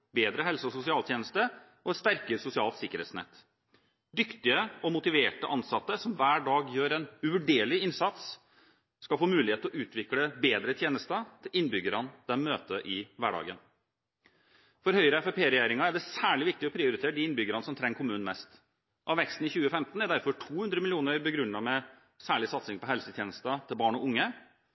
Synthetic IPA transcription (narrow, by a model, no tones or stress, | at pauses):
beːd̪ɾəɦɛlsəɔsʊsɪɑːlt̪ʰjeːnəst̪ə | ʔɔɛt̪st̪æɾkəɾsʊsɪɑːlt̪sɪkːəɾḛːt̪snɛ̰t̪ː | d̪ʏkt̪ɪəɔmʊt̪ɪʋeːʈəʔɑnsɑt̪ːəsɔmʋæːɖɑːɡjøːɾɛnʉʋʉɖeːɭɪɪnsɑt̪s | skɑlfoːmʉːlɪheːt̪lɔʔʉːt̪ʰʋɪkləbeːd̪ɾət̪ʰjeːnəst̪ət̪ʰɪlɪnːbʏɡəɾɑnd̪̥ɛnmøːt̪əʔɪʋæːɖɑ̰ːɡən | fɔɾhœʏɾəɛfɛpʰeːɾɛjæɾɪŋɑæɖɛsæːɭɪʋɪk̚t̪ɪɔpʰɾɪʊɾɪt̪ʰeːɾəɖ̪ɪɪnbʏɡəɾɑnəsɔmt̪ʰɾɛŋːkʰʊmʉːn̩mɛst̪ | ʔɑʋɛkst̪n̩ɪçʉːəfɛmt̪n̩æd̪æɾfɔʈʰuːhʉnd̪ɾəmɪlɪuːnəɾbəɡɾʉnːɑmɛ | sæːɭɪsɑt̪sɪŋpɔɦɛlsət̪ʰjeːnəst̪ɑt̪ʰɪlbɑːɳɔʊŋːə